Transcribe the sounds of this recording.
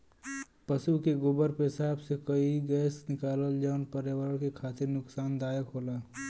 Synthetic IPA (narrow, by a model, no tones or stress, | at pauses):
pəsukeɡʊbəɾpeɦɪsaːbsekɐiɡɛːsnɪkaːləld͡ʒəːnpəɾjəwəɾəɽ̃kekʰaːt̪ɪɾnʊksaːnd̪aːjəkɦoːlaː